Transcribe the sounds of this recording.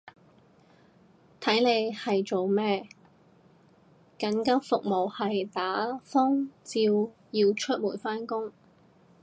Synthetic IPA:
t̪ʰɐ˨˥jne˨˧jhɐ˨jt͡so˨wmɛː˥ | kɐ˨˥nkɐ˥wfʊ˨k̚mo˨˩whɐ˨jt̪aː˨˥fɔː˥ŋt͡siː˧w | jiː˧wt͡ʃʰɵ˥t̚muː˨˩jfaː˥nkʊ˥ŋ

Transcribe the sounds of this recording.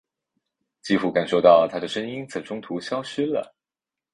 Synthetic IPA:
t͡ɕi˥fu˥˩ka˨˩nʂo˥˧ʊt̪ɑ˥˧ʊt̪ʰa˥d̪ə˨ʂə˥ŋi˥nt͡s̩˨˩ʈ͡ʂʰʊ˥ŋt̪ʰu˧˥ɕjɑ˥ʊʂ̩˥lə̰˨

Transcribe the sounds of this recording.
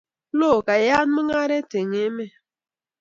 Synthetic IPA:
lo˦˨ka˨ja˦n˦mɨ˦ŋa˦ɾe˦te˨ŋe˨˦me˦˨

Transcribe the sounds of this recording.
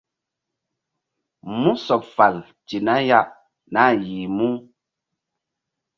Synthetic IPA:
mu˦sɔ˨p̚fa˨l | ti˨na˦ja˦ʔ | na˦˨ji˨mu˦

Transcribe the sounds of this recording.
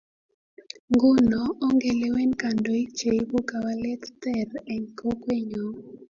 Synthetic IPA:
ŋɡʊ˦nɔ˨ɔ˦ŋɡe˨le˦we˦nka˨ndo˨i˦t͡ʃe˨˦bo˦ka˨wa˦lɛ˦tt̪ɛ˦˨rɛ˨ŋko˦kwe˦ɲo˨

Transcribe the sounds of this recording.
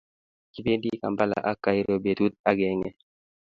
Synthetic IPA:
ki˦be˦ndi˦ka̰˨mba˦la̰˨ʔa˦kːa˨i˦ɾo˦be˨t̪u˦t̪̚a˦ɡɛ˨˦ŋɛ˨

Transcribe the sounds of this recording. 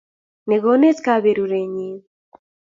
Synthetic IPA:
ne˨ɣo˦ne˦t͡skaβeɾuɾe˨ɲi˨

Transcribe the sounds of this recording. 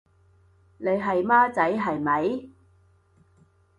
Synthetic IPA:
ne˨˧jɦɐ˨jmaː˥t͡sɐ˨˥jɦɐ˨jmɐ˨˥j

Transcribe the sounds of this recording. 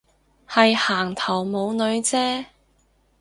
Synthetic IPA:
hɐ˨jhaː˨˩ŋt̪ʰɐ˨˩wmo˨˧wnɵ˨˧ɥt͡sɛː˥

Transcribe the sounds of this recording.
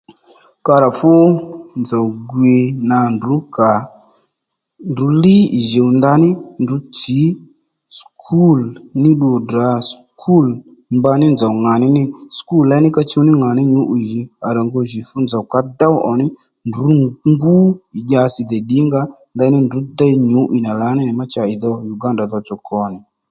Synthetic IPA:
ka˧ɾa˨fʊ˦nd͡za˨wɡwi˧na˨ndu˨˦ka˨ | ndu˨˦li˦i˨ʒe˨wnd̪a˧˦nɪ˦ndu˨˦t͡si˨˦ | skʰu˦˨lnɪ˦ɗu˨da˨˦s | kʰu˦˨l | mba˧nɪ˦nd͡za˨wŋa˨nɪ˦nɪ˦sku˦˨lla˨˦nɪ˦ka˧t͡ʃu˧˦nɪ˦ŋa˨nɪ˦ɲu˨˦ʔi˨ʒɪ˨a˨ɾa˨ŋɡo˧˨ʒi˨fu˦nd͡za˨wka˧d̪a˦wʔɔ˨nɪ˦ | ndu˨˦ŋɡu˦ɪ˨ʄa˧sɪ˨d̪ɛ˨ɗɪ˨˦ŋɡa˧ | nd̪a˧˦nɪ˦ndu˨˦d̪a˦jɲu˨˦ʔi˨na˨la˨˦nɪ˦nɪ˨ma˦t͡ʃa˨ɪ˨ðɔ˧ju˨ɡa˦nda˨ðɔ˧t͡sɔ˨kʰɔ˨nɪ˨

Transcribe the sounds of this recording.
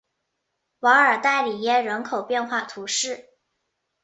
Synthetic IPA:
wɑ˧˥ŋə˞˨˩t̪a˥˩ɪli˨˩jɛ˥˩ɻə˧˥nkʰo˨˩ʊpjɛ˥˧nxwa˥˩t̪ʰu˧˥ʂɻ̩˥˩

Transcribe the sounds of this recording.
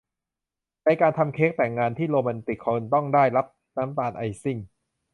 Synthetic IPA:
na˧jkaː˧nt̪ʰa˧mkʰeː˦˥k̚t̪ɛ˨˩ŋːaː˧nt̪ʰiː˥˩loː˧mɛ˧nt̪i˨˩kʰːɔ˧nt̪ɔ˥˩ŋdaː˥˩jla˦˥p̚ | naː˦˥mt̪aː˧nʔa˧jsi˥˩ŋ

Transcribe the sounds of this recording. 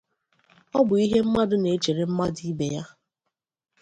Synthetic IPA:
ɔ˦bʊ˨i˦ɦe˦m̩˦ma˦dʊ˦ne˨˦t͡ʃe˨ɾe˨m̩˦ma˦di˦be˨ja˦

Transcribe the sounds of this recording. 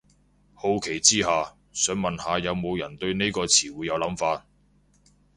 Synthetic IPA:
ho˧wkʰe˨˩jt͡siː˥haː˨ | sœː˨˥ŋmɐ˨nhaː˨jɐ˨˧wmo˨˧wjɐ˨˩nt̪ɵ˧ɥne˥jkɔː˧t͡sʰiː˨˩wuː˨˧jɐ˨˧wlɐ˨˥mfaː˧t̚

